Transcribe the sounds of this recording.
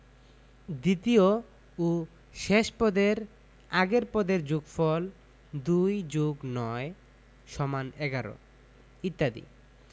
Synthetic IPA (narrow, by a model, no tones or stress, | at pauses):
d̪it̪io | o | ʃeʃpɔd̪eɾ | aɡeɾpɔd̪eɾd͡ʑuɡfɔl | d̪ujd͡ʑuɡnɔe | ʃɔmanɛɡaɾo̰ | it̪ːad̪ḭ